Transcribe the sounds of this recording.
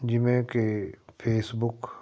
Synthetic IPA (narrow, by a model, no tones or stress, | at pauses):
d͡ʒɪmẽkepʰeːsbʊk